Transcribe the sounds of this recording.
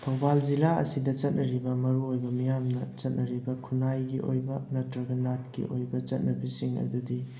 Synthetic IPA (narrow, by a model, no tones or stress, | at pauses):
tʰɐwbald͡ʒilaɐ̰sidɐt͡ʃɐt̚nɐɾibɐmɐɾuojbɐmijamnɐt͡ʃɐt̚nʔɐɾibɐkʰunajɡiʔojbɐnɐtɾɐɡɐnat̚kḭʔo̰jbɐt͡ʃɐt̚nɐbisiŋɐ̰dudi